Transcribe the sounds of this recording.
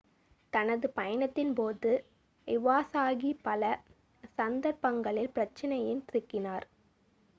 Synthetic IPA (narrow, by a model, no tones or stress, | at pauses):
t̪ɐnɐðɯpɐjɐnɐt̪ːɪnpoːðɯ | ɪʋaːsaːɣipɐlɐ | sɐnd̪ɐɾpɐŋɡɐɭɪlpɪɾɐt͡ʃːɐnɐjɪnt̪ɪɾɯkːɪnaːɾ